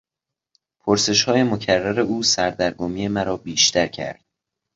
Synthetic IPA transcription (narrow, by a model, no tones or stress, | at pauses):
pʰoɾse̞ʃhɒːje̞mocʰærːæɾe̞uːsæɾd̪æɾɡomije̞mæɾɒːbiːʃt̪ʰæɾcʰæ̰ɾd̪̥